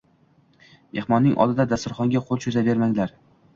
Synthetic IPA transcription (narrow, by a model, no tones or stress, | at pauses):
ehmɒnːɪŋʔɒ̰lˠd̪ɪd̪ad̪ast̪ʊɾχɒŋɡʲaqʰolˠt͡ʃʰɵzabe̞ɾmaŋlaɾ